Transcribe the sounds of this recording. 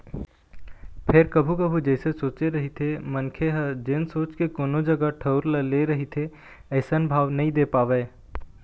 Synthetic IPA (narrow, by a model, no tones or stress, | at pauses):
pʰɪɾkəbʱukəbʱud͡ʒɛːsesoːt͡ʃeɾɐɦit̪ʰemənkʰeɦəd͡ʒɪnsoːt͡ʃkekoːnod͡ʒɐɡaʈʰəʊɾləleɾɐɦit̪ʰe | ɛɪsənbʱaːʋnɐɦĩd̪eːpaːʋɛː